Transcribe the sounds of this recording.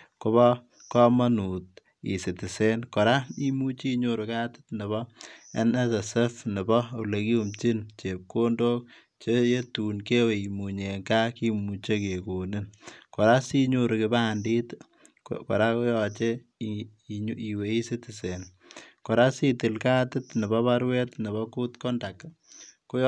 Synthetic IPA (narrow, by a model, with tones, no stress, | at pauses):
ko˦bɔ˦ | kɔ˦ma˦nu˨t̚ | ḭ˨sɪ˨tɪ˨se˦nkɔ˨ɾa˦i˦mu˦t͡ʃi˦ɲo˦ɾʊ˨kaː˦tɪ̥˦tnɪ˨βɔ˦ɛ˦nɛ˦sɛ˨sɛ˦fnɪ˨bɔ˦u˨le˨ki˦u˦mt͡ʃɪ˦nt͡ʃe˨p̚ko˦ndoː˦k̚ | t͡ʃe˦je˦tu˨nke˦we˨i˨mu˨ɲe˨ŋka˦ki˦mu˨t͡ʃe˦ke˨ko˨nɪ˦nkɔ˨ɾa˦si˦ɲo˦ɾʊ˨kɪ˨ba˦ndi˦t | kɔ̰˨ɾa˦ko˦jɔt͡ʃe˦ | i˨we˨˦i˦se˦tɪ˨se˨n | kɔ˨ɾa˦si˦tɪ˨lka˦tɪ˦tnɪ˨bɔ˦βa˦ɾwe˦tnɪ˨bɔ˦ku˦tkɔ˦nda˨k | ko˦